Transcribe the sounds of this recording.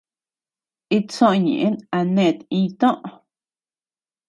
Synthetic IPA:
i˦t͡sõ˧ʔɲḛ̃˨ʔẽ˦na˧nẽ˧˨t̪ĩ˧t̪õ˦ʔ

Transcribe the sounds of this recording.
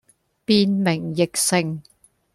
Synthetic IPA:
piː˨˧nmɪ˨˩ŋjɪ˨k̚sɪ˧ŋ

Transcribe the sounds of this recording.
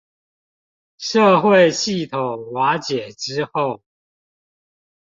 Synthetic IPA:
ʂɤ˥˧xwe˥˨ɪɕi˥˩t̪ʰo˨˩ŋwa˧˥t͡ɕjɛ˨˩ʈ͡ʂɻ̩˥xo˥˨ʊ

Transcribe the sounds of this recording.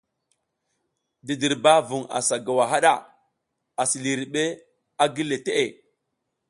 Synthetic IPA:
di˨di˨ɾba˦vu˨ŋa̰˨sa˨ɡa˨wa˨ɦa˦ɗa˦˨ | a˨si˨li˨ɾi˨ɓe˦ | a˦ɡi˦le˨te˦ʔe˨

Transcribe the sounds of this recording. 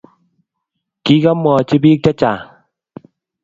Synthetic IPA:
ki˦ka˦mwɔ˨t͡ʃi˦bi˦k̚t͡ʃa˦t͡ʃa˨

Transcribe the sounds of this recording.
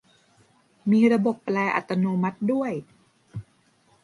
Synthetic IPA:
miː˧ɾa˧bo˨˩pːlɛː˧ʔa̰˨˩t̪ːa˧noː˧ma˦˥t̪̚du˥˩əj

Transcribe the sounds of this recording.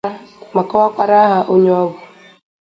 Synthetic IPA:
a˦ma˨kɔ˦a˦kwa˦ɾa˦ɦa˨ʔo˦ɲ˦ɔ˦wu˨

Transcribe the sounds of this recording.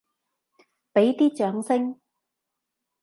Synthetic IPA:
pe˨˥jt̪iː˥t͡ʃœː˨˥ŋsɪ˥ŋ

